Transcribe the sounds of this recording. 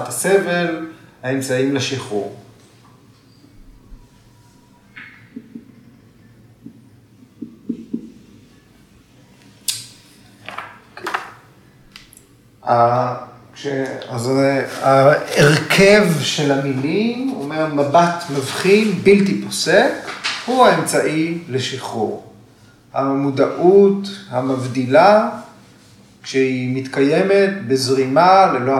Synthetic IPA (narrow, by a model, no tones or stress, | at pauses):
t̪asevelhaemt͡saimleʃiχṵʁ | a | ʃeazaeʁkʰevʃe̞lhamilimo̰memabat̪mavχinbiltipo̞sekhuhaemt͡saʔileʃiχṵʁ | hamud̪aʔuthamavd̪ila | kʃehimit̪kaje̞me̞tbezʁimalelo